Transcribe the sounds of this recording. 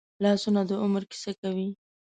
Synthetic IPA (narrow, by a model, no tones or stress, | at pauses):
lɑsunad̪əʊməɾki̥sakawi